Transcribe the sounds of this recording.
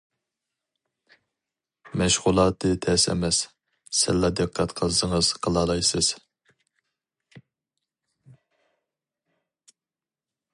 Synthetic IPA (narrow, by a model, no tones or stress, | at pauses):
mɛʃʁulˠɑːt̪ʰɨt̪ʰɛsɛ̰mɛs | sɪzlːɑd̪ɨqʰːæt̪qʰəsɨŋəz̥qʰəlˠɑlˠɑjsɨz̥